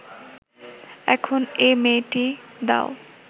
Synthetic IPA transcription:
ɛkʰonemeʈid̪a̰ʊ

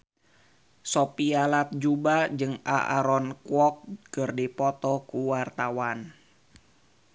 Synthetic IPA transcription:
sopialat̪̚d͡ʒubad͡ʒɨŋa̰ʔa̰ɾɔnkuɔk̚kərdipɔt̪ɔkuwart̪awan

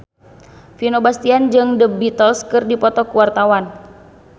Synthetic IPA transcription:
finobast̪iand͡ʒɨŋdəbit̪əlskɨrdipɔt̪ɔkuwart̪awan

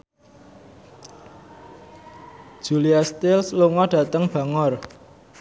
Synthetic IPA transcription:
d̥ʒ̥uliast̪ɪlsluŋɔɖ̥ä̤t̪əŋb̥ä̤ŋɔr

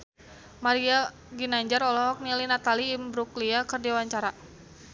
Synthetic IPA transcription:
maɾia | ɡinaɲd͡ʒaɾɔlɔɦɔk̚nilinat̪aliːmbɾukliakərdiawaɲt͡ʃaɾa

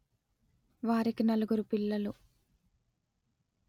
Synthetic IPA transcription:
ʋaːɾikinɐluɡuɾupilːɐlu

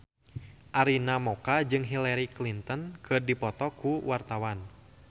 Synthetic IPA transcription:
ʔaɾinamɔkad͡ʒɨŋɦilɛɾiklint̪ənkʰɨrdipɔt̪ɔkuwart̪awan

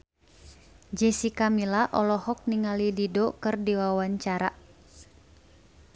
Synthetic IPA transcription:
d͡ʒɛsikamilaʔɔlɔhɔk̚niŋalididɔkɨrdiwawaɲt͡ʃaɾa

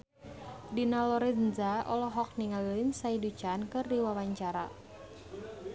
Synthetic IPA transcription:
dinalɔɾinzaɔlɔɦɔk̚niŋalilinsaidut͡ʃankɨrdiwawaɲt͡ʃaɾa̰

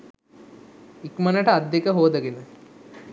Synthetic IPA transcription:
ikmənəʈəad̪ːjekəɦoːd̪əɡenə

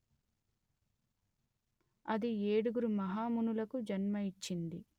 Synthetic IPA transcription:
ɐd̪ieːɽuɡuɾumɐɦaːmunulɐkud͡ʒɐnmɐit͡ʃːind̪i

